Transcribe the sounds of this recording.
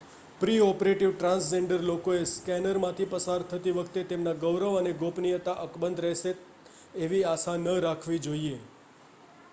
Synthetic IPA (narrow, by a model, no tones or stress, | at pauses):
pɾiɔpɾeʈiʋʈɾãnsd͡ʒeɳɖəɾlokoeskɛnəɾmãt̪ʰipəsaɾt̪ʰət̪iʋəkʰt̪et̪emnaɡəwɾəʋəneɡopnijət̪aʔəkbənd̪ʱɾɛɦʃeː | ʋiasanəɾakʰʋid͡ʒoie